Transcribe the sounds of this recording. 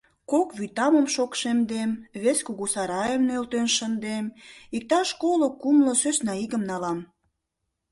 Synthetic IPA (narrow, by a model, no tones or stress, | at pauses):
kokβyt̪ɑməmʃokʃemd̪emβeskuɣusɑɾɑjəmnølt̪ønʃənd̪emik̚t̪ɑʃkolokumlosøsnɑiɣəmnɑlɑm